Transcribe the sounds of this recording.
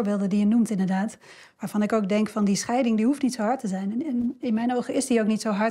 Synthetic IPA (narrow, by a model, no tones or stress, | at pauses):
ɹbɪːlˠdədijənumtɪndəɹdaːt | ʋaːɹvɑnɪkowk̚dɛŋkfɑndisχɛjdɪŋdiɦuftnitsowɦɑɹtəzɛjnnɪnmɛjnowχəɪsdiowknitsowɦɑ